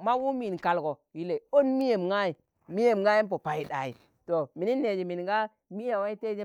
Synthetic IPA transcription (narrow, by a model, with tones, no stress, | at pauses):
ma˦wu˦mi˨nka˨lɡo˨ji˦le˨o˦nmi˦je˨mŋa˦i˨ | mi˦je˨mŋɡa˦ji˦mp̬o˨pa˨i˨ɗa̰˨i˨ | to˨mi˨ni˦nːe˨d͡ʒi˨mi˨nɡa˦ | mi˦ja˨wa˦i˦te˦d͡ʒe˦